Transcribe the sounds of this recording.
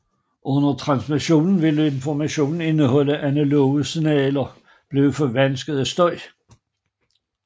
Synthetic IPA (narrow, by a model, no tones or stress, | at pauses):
ʔɔ̽nɐt͡sʰʁɑ̈nsmiɕo̝̰ːnn̩ʋe̝ləe̝nfɒmæɕo̝̰ːnn̩e̝nəɦɒ̽l̰əʔænælo̝ːsinɛːlɐ | b̥le̝ːʊəfɒʋænsɡ̥əð̩ˠæsd̥ɒ̽ɪ̰